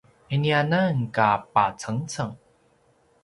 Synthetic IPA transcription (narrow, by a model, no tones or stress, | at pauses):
ʔenianaŋkaːpaːt͡sʰaŋt͡sʰaŋ